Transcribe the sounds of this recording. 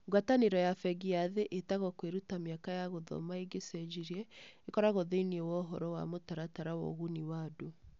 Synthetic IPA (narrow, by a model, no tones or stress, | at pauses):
ɡwataneɾɔjafɛɡiaðeʔetaɣɔkweɾutamjakajaɣoðɔ̰maeɡesɛd͡ʒiɾiɛekɔɾaɣoðeiniɛwɔɦɔɾɔwa̰motaɾataɾawɔ̰ɣuniwado